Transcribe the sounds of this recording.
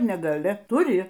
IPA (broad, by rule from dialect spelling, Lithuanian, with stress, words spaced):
nʲɛɡɐlʲɪ tʊˈrʲɪ